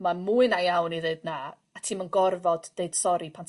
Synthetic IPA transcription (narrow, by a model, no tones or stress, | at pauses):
mamuɨnajawniðeɨdnaː | tʰimənɡɔrvɔd̥ːeɨd̥sɔɾipʰantʰ